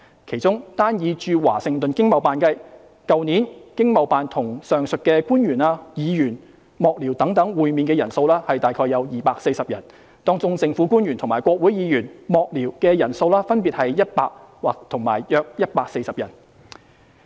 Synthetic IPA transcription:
kʰe˨˩jt͡sʊ˥ŋt̪aː˥njiː˨˧t͡ʃyː˧wa̰ː˨˩sɪ˨˧ŋt̪ɵ˨nkɪ˥ŋmɐ˨˩wpaː˨nkɐ˥j | kɐ˨˧wniː˨˥nkɪ˥ŋmɐ˨˧wpaː˨nt̪ʰʊ˨˩ŋsœː˨ŋsɵ˨t̚kɛː˧kuː˥nɥyː˨˩naː˧jiː˨˧jyː˨˩n | mɔː˨˧k̚liː˨˩wt̪ɐ˨˥ŋt̪ɐ˨˥ŋwuː˨˧jmiː˨nkɛː˧jɐ˨˩nso˧wlaː˥hɐ˨jt̪aː˨jkʰɔː˧jːɐ˨˧wjiː˨paː˧k̚se˧jsɐ˨p̚jɐ˨˩n | t̪ɔː˥ŋt͡sʊ˧ŋt͡sɪ˨˧ŋfu˨˥kuː˥njy˨˩nt̪ʰʊ˨˩ŋmaː˨˩kʷɔː˧k̚wuː˨˥jiː˨˧jyː˨˩nmɔː˨k̚liː˨˩wkɛː˧jɐ˨˩nso˧wlaː˥fɐ˥npiː˨t̚hɐ˨jjɐ˥t̚paː˧k̚waː˨k̚t̪ʰʊ˨˩ŋma̰ː˨˩jjœː˧k̚jɐ˥t̚paː˧k̚se˧jsɐ˨p̚jɐ˨˩n

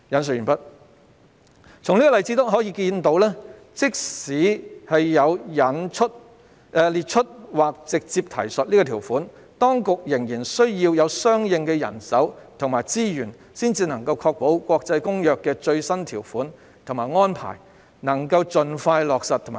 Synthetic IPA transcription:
jɐ˨˥ns̬̚yː˨˩pɐ˥t̚ | t͡sʰʊ˨˩ŋliː˥kɔː˨lɐ˨˩jt͡siː˧˥t̪ʊ˥ɦɔ˨˥jiː˧kiː˧nt̪o˨˥wlɛː˥ | t͡sɪ˥k̚siː˨˥hɐ˨jːɐ˨˧wjɐ˨˥nt͡ʃʰɵ˥t̚ː | liː˨˩t̚t͡ʃʰɵ˥t̚waː˨k̚t͡sɪ˨k̚t͡siː˧p̚t̪ʰɐ̰˨˩jsɵ˨t̚liː˥kɔː˧t̪ʰiː˨˩wfuː˨˥n | t̪ɔː˥ŋkʊ˨k̚jɪ˨˩ŋjiː˨˩nsɵ˥ɥjiː˧wjɐ˨˧wsœː˥ŋjɪ˨˧ŋkɛ˧jɐ̰˨˩nsɐ˨˥wt̪ʰʊ˨˩ŋmaː˨˩jt͡siː˥jyː˨˩n | siː˥nt͡siː˧nɐ˨˩ŋkɐ˧wkʰɔː˧k̚po˨˥wkʷɔː˧k̚t͡sɐ˧jkʊ˥ŋjœː˨kːɛː˧t͡ʃɵ˧ɥsɐ˥nt̪ʰiː˨˩wfuː˨˥n | t̪ʰʊ˨˩ŋmaː˨jŋɔː˥npʰa̰ː˨˩j | nɐ˨˩ŋkɐ˧wt͡sɵ˨nfaː˧jlɔː˨k̚sɐ˨t̪̚ʰʊ˨˩ma˨

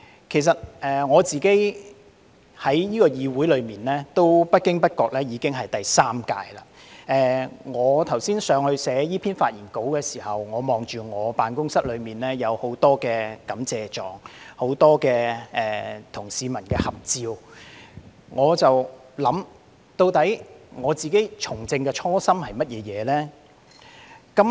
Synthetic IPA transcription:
kʰe˨˩js̬ɐ˨t̚ɛː˨ŋɔː˨˧t͡siː˨ke˨˥j | hɐ˨˥jjiː˥kɔː˧jiː˨˧wuː˨˥jlɵ˨˧ɥmiː˨nlɛː˥t̪o˥wpɐ˥t̚kɪ˥ŋpɐ˥t̚kɔː˧k̚lɛː˥jiː˨˧kɪ˥ŋɦɐ˨jt̪ɐ˨jsaː˥mkaː˧jla̰ː˧ | ʔɛː˨ŋɔː˨˧t̪ʰɐ˨˩wsiː˥nsœː˨˧ŋhɵ˧ɥsɛː˨˥jiː˥pʰiː˥nfaː˧t̚jiː˨˩nko˨˥wkɛː˧siː˨˩hɐ˨wŋɔː˨˧mɔː˨ŋt͡ʃyː˨ŋɔː˨˧paː˨nkʊ˥ŋsɐ˥t̚lɵ˨˧ɥmiː˨nlɛː˥jɐ˨˧who˨˥wt̪ɔː˥kɛː˧kɐ˨˥mt͡sɛː˨t͡ʃɔː˨ŋho˨˥wt̪ɔː˥kɛː˧ʔɛː˨t̪ʰʊ˨˩ŋsiː˨˧mɐ˨˩nkɛː˧hɐ˨p̚t͡siː˨˧w | ŋɔː˨˧t͡sɐ˨w | lɐ˨˥m | t̪o˧wt̪ɐ˨˥jŋɔː˨˧t͡siː˨ke˨˥jt͡ʃʰʊ˨˩ŋt͡sɪ˧ŋkɛː˧t͡ʃʰɔː˥sɐ˥mhɐ˨jmɐ˥t̚jɛː˨˧jɛː˨˧lɛː˥ | kɐ˨˥m

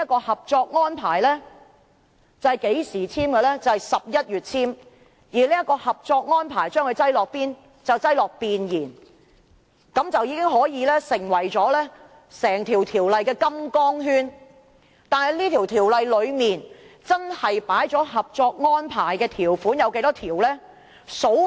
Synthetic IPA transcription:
kːɔː˧hɐ˨p̚t͡ʃɔː˧k̚ŋɔː˥npʰaː˨˩jlɛː˥ | t͡sɐ˨hɐ˨˩jke˨˥jsiː˨˩t͡sʰiː˥mkɛ˧lɛː˥t͡sɐ˨˩whɐ˨jsɐ˨p̚jɐ˥t̚jyː˨˩t̚t͡sʰiː˥m | jiː˨˩liː˥jɐ˥kːɔː˧hɐ˨p̚t͡sɔː˧k̚ŋɔː˥npʰaː˨˩jt͡ʃœː˥ŋkɵ˧t͡sɐ˥jlɔː˨k̚piː˥n | t͡sɐ˨wt͡sɐ˥jlɔː˨k̚piː˨njiː˨˩n | kɐ˨˥mt͡sɐ˨wjiː˨˧kɪ˥ŋɦɔː˨˥jiː˨˧lɛː˥sɪ˨˩ŋwɐ˨˩jt͡ʃɔː˨˥lɛː˥ | sɛː˨˩ŋt̪ʰiː˨˩wt̪ʰiː˨˩wlɐ˨jkɛː˧kɐ˥mkɔː˥ŋɦyː˥n | t̪aː˨nhɐ˨jliː˥t̪ʰi˨˩wt̪ʰiː˨˩wlɐ˨jlɵ˨˧ɥmiː˨nt͡sɐ˥nhɐ˨jpaː˨˥jt͡ʃɔː˨˥ɦɐ˨p̚t͡sɔː˧k̚ŋɔː˥npʰaː˨˩jkɛː˧t̪ʰiː˨˩wfuː˨˥njɐ˨˧wke˨˥t̪ɔː˥t̪ʰiː˨˩wlɛː˥ | so˨˥w

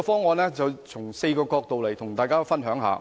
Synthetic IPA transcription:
ɔ˧fɔː˥ŋɔː˨˧nlɛː˥t͡sɐ˨wt͡sʰʊ˨˩ŋse˧jkɔː˧kɔː˧k̚t̪o˨wlɐ˨˩jt̪ʰʊ˨˩ŋt̪aː˨jkaː˥fɐ˥nɦœː˨˥ŋɦa̰ː˨˧

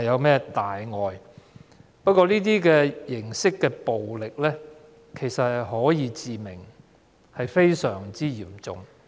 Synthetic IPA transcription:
ɐjɐ˨˧wmɛː˥t̪aː˨jŋɔː˨˧j | pɐ˥t̚kʷːɔː˧liː˥t̪̬iː˥kɛː˧jɪ˨˩ŋsɪ˥kːɛː˧po˨wlɪ˨k̚lɛː˥ | kʰe˨˩jsɐ˨t̚hɐ˨jɦɔː˨˥jiː˨˧t͡siː˨mɪ˨˩ŋ | hɐ˨jfe˥jsœː˨˩ŋt͡siː˥jiː˨˩mt͡sʊ̰˨ŋ

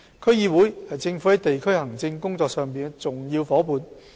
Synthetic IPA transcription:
kʰɥjiː˧˩wuː˨˥jhɐ˨jt͡sɪ˧ŋfu˨˥hɐ˨˥jt̪e˨jkʰɵ˥hɐ˨˩ŋt͡sɪ˧ŋkʊ˥ŋt͡sɔː˧k̚sœː˨ŋpiː˨nkɛ˧t͡sʊ˨ŋjiː˧wfɔː˨˥puː˨˧n

